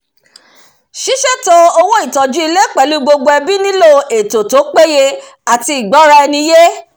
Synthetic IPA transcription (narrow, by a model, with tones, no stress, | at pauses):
ʃi˦ʃe˦˨to˧o˧wõ˦i˦˨tɔ˨d͡ʒu˨˦i˧le˦k͡pɛ˨lu˨˦ɡ͡bo˧ɡ͡bo˧ɛ˧bi˦nĩ˦lo˦˨e˨to˨to˨˦k͡pe˦je˧ | a˨ti˧i˨ɡ͡bɔ˨˦ɾa˧ɛ˧nĩ˧je˦